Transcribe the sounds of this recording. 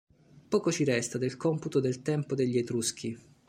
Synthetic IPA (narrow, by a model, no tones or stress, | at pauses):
pɔːkot͡ʃiɾɛst̪ad̪elkɔmput̪od̪elt̪ɛmpod̪eʎːiet̪ɾusk̟ʰi